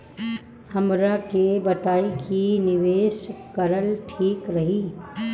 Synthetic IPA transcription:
hɐmɾakebɐt̪aːikinɪʋeːʃkɐɾəlʈʰiːkɾɐɦiː

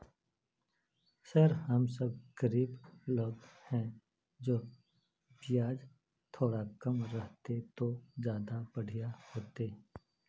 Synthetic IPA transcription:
səɾhɐmsəb̚ɡ̥əɾiːbloːɡhɛ̃ | d͡ʒoː | bɪjaːd͡ʒ | t̪ʰoːɽakəmɾəɦt̪et̪od͡ʒjaːd̪abəɽ̤ʱijahoːt̪e

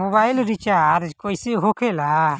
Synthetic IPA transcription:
mɔbajlɾit͡ʃaɾkɔjsiɦokʰɛla

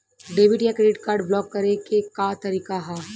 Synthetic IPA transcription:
ɖeːʋɪʈjakɾeːɖɪʈkaːɾɖblɔːkːɐɾekekat̪ɐɾiːkaɦɛː

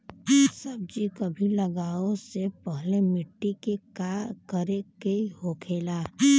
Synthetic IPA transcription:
səb̚d͡ʒikobʱiləɡaːosepəɦlemɪʈːikekakəɾekehoːkʰeːlaː

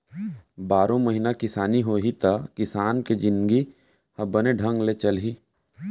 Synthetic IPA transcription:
baːɾõməɦinakɪsaːniɦoːɦit̪akɪsaːnked͡ʒɪ̃nɡi | hɐbəneɖʱə̃ŋɡlet͡ʃɐlɦiː

